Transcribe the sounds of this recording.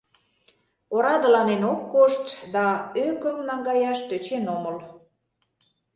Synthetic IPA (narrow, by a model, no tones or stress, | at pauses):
oɾɑd̪ə̆lɑnenokːoʃt̪d̪ɑøkə̆mnɑŋɡɑjɑʃt̪øt͡ɕenoməl